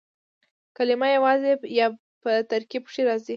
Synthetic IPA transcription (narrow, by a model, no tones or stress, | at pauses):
kalɪmajawɑzejɑ | pət̪aɾkibʂiɾɑzi